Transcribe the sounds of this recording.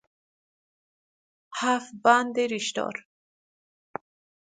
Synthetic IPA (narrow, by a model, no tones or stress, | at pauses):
hafband̪iɾiʃt̪ɔ̰ɾ